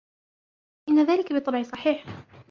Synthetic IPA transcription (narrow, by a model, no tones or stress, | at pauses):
ʔɪnːaðaːlɪkabɨt̪ˤːɑbʕisˤɑħiːħ